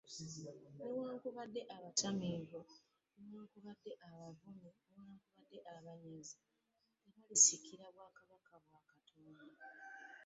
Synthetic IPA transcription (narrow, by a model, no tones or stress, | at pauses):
newaːŋkuβadːe̞ʔaβatamiːvo | newaːkuβadːe̞ʔaβavumenewaːŋkuβadːe̞ʔaβaɲezi | neβalisikiɾaβwaːkaβakaβwaːkatʰoːna